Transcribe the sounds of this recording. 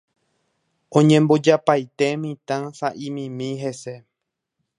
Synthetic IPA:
õɲẽmbod͡ʒapajt̪e̞mĩt̪ãsaʔĩmĩmĩɦe̞se̞

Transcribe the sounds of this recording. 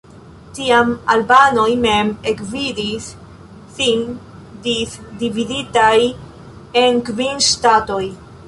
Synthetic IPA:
tiamalbano̞jme̞mekvidisː | in | disdividitaj | enkvinʃtato̞j

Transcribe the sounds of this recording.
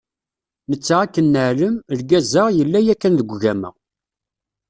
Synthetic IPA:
nət͡sːaʁakːənːəʕləməlɡæzəʁjəlːæjækːænðəɡʷʝæmə̰ʁ

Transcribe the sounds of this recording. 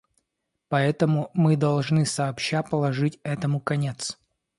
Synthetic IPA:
pɐɛt̪əmʊmɨd̪ɐlˠʐnɨsɐːpɕapəlˠɐʐɨtʲɛt̪əmʊkɐnʲet̪s

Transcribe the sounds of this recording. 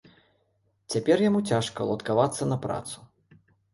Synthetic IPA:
t͡sʲapʲɛrjamut͡sʲaʂkɐlˠɐt̪kavat̪sːɐnɐpɾa̰t̪su̥

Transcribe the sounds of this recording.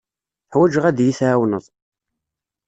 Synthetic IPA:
ħwæd͡ʒʁæðjiθʕawnəðˤ

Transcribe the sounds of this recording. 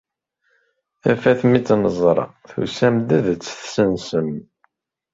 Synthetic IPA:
æfæθmit͡sːnəzˤɾˤɑ̰θṵsæmd̪æðt͡sːθsənsəm

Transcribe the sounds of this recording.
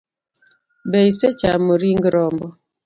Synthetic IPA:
beiset͡ʃamoɾiŋɡɾɔmbɔ

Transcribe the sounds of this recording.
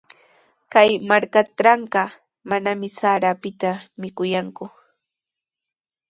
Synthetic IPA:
kajmaɾkaɾɑɴɢɑ | manamɪsaːɾapɪt̪amɪkʊjaŋkʊ

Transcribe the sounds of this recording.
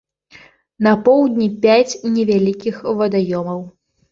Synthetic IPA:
nɐpɔwd̪ʲnʲipʲat͡sʲnʲɛvʲalʲikʲixvɐd̪ajɔmɐw

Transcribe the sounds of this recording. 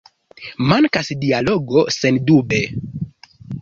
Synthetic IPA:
maŋkasdialoɡo̞sendube

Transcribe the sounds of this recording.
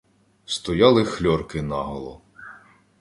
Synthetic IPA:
st̪ɔjɑlˠɪxlʲɔrkɪnɑ̰ɦɐlˠɔ

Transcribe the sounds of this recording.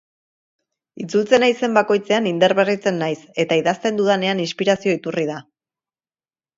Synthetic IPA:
it͡sult͡se̞najse̞mbako̞jt͡se̞anind̪eɾβe̞rit͡se̞nːajse̞t̪aiðast̪e̞nd̪uð̞ane̞aninspiɾasio̞it̪urið̞a

